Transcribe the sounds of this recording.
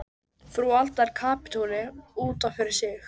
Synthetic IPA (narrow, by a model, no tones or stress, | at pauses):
fɾualt̪aɾ̥kʰaːpɪ̥t̪ʰuːlɪuːt̪afɪɾɪɾ̥sjɪx